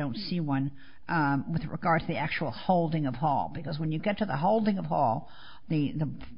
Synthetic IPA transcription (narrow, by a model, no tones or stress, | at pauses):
õʊ̃ntsiwʌ̃n | wɨðɹɨ̰ɡɑɹd̚tʰɨðiæk̚t͡ʃul̩ˠhoʊlˠdɪ̃ŋʌv̥hɔ̰lˠbɨkʌzwə̃njɨɡɛtʰɨðə̰ɦoʊlˠdɪ̃ŋʌv̥hɔ̰lˠ | ðɨðə